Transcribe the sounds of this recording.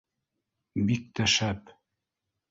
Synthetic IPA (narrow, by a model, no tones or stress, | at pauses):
bik̚t̪æʃæp